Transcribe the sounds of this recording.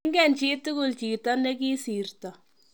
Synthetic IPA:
ŋɡɛ˨nt͡ʃi˦tu˦kʊ˨lt͡ʃi˨tɔ˦ne˦k̬i˦si˨rtɔ˨

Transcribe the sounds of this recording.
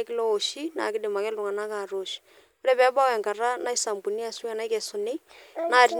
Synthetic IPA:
kɪ˦lo˦o˨ʃi˦na̰˨kɪ˦dɪ˨ma˨kɛ˦lu˨ŋa˨na˦ka˨ɾo˨ʃ | ʊ˦ɾɛ˦pɛ˨˦ba˦wɛ˨ŋka˨ra˦na˦i˦sa˨mbu˨ni˦a˨su˦a˨na˦i˦kɛ˨sʊ˨ne˦na˦˨ɾi˨

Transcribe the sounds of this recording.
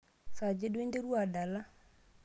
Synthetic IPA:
sa˨d͡ʒe˦dwe˦nde˦ɾu˦a˨da˨la˦

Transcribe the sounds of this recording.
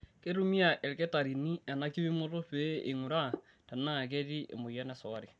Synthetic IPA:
ke˦ɾu˦mi˦a˨ʔɛ˨lke˦ta˨ɾi˨ni˦a˨na˦ki˦βi˦mo˦ɾo˦pe˨˦ḛ˨ŋu˨ɾa˦˨ | ta˨na˦˨k̬e˦ɾi˦ʔḛ˨mo˨jɛ˦nɛ˨sɔ˨a˦ɾi˨

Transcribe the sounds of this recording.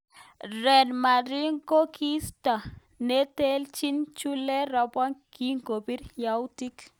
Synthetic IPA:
ɾɛ˨nma˨ɾi˦ŋko˦kʰi˦stɔ˨ | ne˦te˦lt͡ʃi˦nt͡ʃu˦lɛ˦ɾɔ˨bɔ˦nki˦ŋɡo˨bi˦ɾja˨wti˦k

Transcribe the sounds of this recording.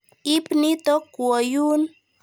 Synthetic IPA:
i˦pni˦t̪ɔ˦kwɔ˨ju˦n

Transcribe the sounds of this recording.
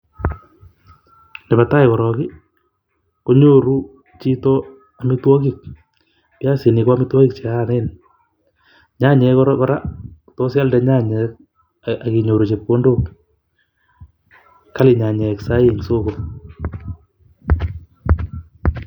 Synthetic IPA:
nɛ˨bata˦jkɔ˨ɾɔ˨kɪ˦ | ko˦ɲo˦ɾu˦ | t͡ʃi˦to˦ | amɪ˦twɔ˦kik̚ | pja˦si˨nɪkɔ˦a˦mɪ˦twɔ˦ki˦k̚t͡ʃe˨ane˦n | ɲa˦ɲɛ˧kɔɾkɔɾa˦ | to˦sja˦ldɛ˨ɲa˦ɲɛk̚ | a˨ki˨ɲo˨ɾu˨t͡ʃep̚ko˦ndok | ka˦lɪ˨ɲa˨ɲɛ˨ksa˦je˨ɲso˦ko

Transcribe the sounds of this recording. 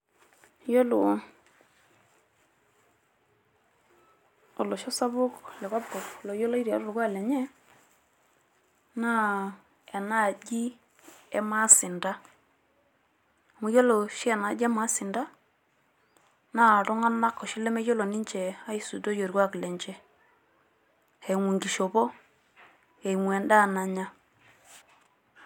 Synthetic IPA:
jo˦lu˨ | o˨lo˨ʃɔ˦sa˦bu˦klɛ˨ka˦b̚kɔ˨plo˨jo˦lo˦i˦ɾa˨ɾu˦ɾɡʷwa˦˨le˨ɲɛ˦ | na˦ | e˨na˦˨d͡ʒi˦ | e˦ma˦si˨nda˦˨ | mu˨˦jo˦lo˨ʃi˦ɛ˨na˨˦d͡ʒɛ˦ma˨˦sɪ˨nda˦ | na˦˨ɾɔ˦ŋa˦na˦kːɔ˨ʃi˦lɛ˦me˦jo˦lo˨ni˦ɲt͡ʃɛ˨a˦i˦su˨do˦jo˨ɾɡʷwa˦˨ki˨lɛ˨ɲt͡ʃɛ˦ | he˨ŋu˨ŋɡi˨ʃo˨bɔ˦ | e˨i˨ŋwɛ˨nda˦˨na˨ɲa˦

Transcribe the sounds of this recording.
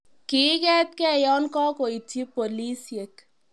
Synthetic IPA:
kɪ˨˦kɛ˦t̪̚kɛ˦˨jɔ˦nkɔ˦ko˨i˨tʰi˦po˨li˦se˨k

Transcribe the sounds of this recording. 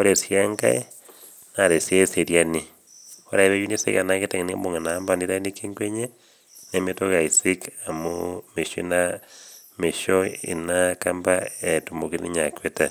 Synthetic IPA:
o˦ɾe˨sia˦ŋɡa̰˦e | na˨ɾe˨sje˦se˨ɾjani˨ | o˦ɾa˨eɾe˦ju˦ne˦sḛ˦ɣa˨naɣe˦ta˨ŋe˨ne˦moŋe˨naːmba˦ni˦ɾa˦nike˦ŋɡwe˦ɲe˦ | ne˦metoɣa˨isika˨mome˨ʃo˦i˦na | me˨ʃoḭ˨nakamba˦etu˨mokinḭ˦ɲa˨kweta

